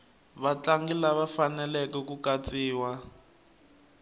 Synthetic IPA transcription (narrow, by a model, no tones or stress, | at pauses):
βat͡ɬaŋɡilaβafanɛlɛkɛkukat͡sʼiːwa